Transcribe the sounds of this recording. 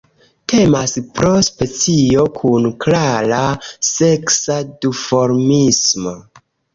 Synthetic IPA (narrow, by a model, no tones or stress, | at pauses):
tʰe̞maspɾo̞spe̞t͡sio̞kʰunklaɾase̞ksadufo̞ɾmismo̞